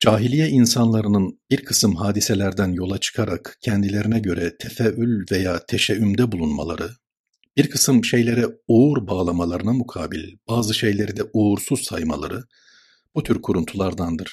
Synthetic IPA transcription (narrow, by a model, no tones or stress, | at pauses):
d͡ʒaːɦilʲijɛinsanlˠaɾɯnɯnbiɾkʰɯsɯmɦaːd̪iselʲæɾd̪ænjo̞lˠat͡ʃʰɯ̥kʰaɾakcʰɛnd̪ilʲe̞ɾinɛɟø̞ɾɛt̪ʰɛfɛylʲvejaːt̪ʰeʃɛymd̪ɛbulˠunma̰lˠa̰ɾɯ | b̥iɾkʰɯsɯmʃe̞jlʲe̞ɾɛuuɾbaːlˠamalˠaɾɯnamukʰaːbilʲb̥aːzɯʃe̞jlʲe̞ɾid̪ɛʔuuɾsuzsajma̰lˠa̰ɾɯ | b̥ut̪ʰyɾkʰuɾunt̪ʰulˠaɾd̪and̪ɯɾ̥